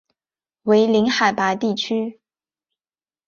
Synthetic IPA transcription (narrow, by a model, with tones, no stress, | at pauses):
we˧˥ɪli˧˥ŋxa˨˩ɪpa˧˥t̪i˥˩t͡ɕʰy˥